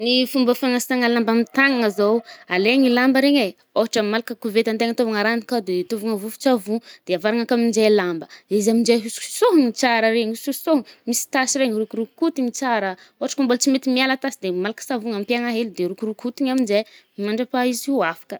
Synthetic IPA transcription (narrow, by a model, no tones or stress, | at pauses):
nifumbəfanasaŋalambamit̪aŋaŋazowaleŋilambəɾeɲe | oɦaʈ͡ʂəmalakəkuvet̪ant̪eŋət̪ovaŋaɾanikad̪et̪ovuŋavufi̥t͡savud̪̥eavaɾaŋakamind͡ʒelambəizamind͡ʒeɦusu̥soɦŋit͡saɾəɾeɲisusoɦmisi̥t̪asiɾeŋiɾukuɾukut̪iŋit͡saɾə | oɦaʈ͡ʂə̥kambolt͡simet̪imialat̪asid̪emalakə̥savuŋampjaŋaɦelid̪eɾukurukhut̪iɲamind͡ʒe | imaɳɖ͡ʐapaiziafḁkə̥